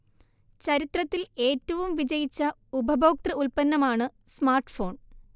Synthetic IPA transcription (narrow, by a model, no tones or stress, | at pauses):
t͡ɕɐɾit̪rɐt̪ːile̞ːtːɐʋumʋid͡ʑɐjit͡ɕːɐ | ubʱɐbʱoːk̚t̪rɐulpɐnːɐmaːɳɨ | smaːrʈɨ̥fo̞ːɳ